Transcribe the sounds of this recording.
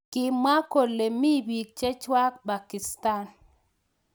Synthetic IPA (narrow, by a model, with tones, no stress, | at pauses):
kɪ˦ma˦ko˨lːe˨mi˦bi˨k̚t͡ʃe˦t͡ʃwa˦k̚ba˨ki˨sta˦n